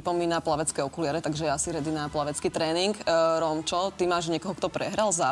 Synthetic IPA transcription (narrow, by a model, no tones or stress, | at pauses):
pɔmiːnaplaʋɛt͡skɛɔkulɪaɾɛt̪aɡʒɛɛasiɾɛd̪inaplaʋɛt͡skiːt̪ɾɛːniŋkɾɔmt͡ʃɔt̪imaːʒɲɛkɔɦɔkt̪ɔpɾɛɦɾalza